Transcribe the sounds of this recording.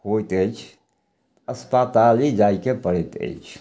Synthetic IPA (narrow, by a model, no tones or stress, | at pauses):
hot̪əjt͡ʃ̪ʰ | əspat̪alid͡ʒaikepəɽɛt̪ə̰it͡ʃʰ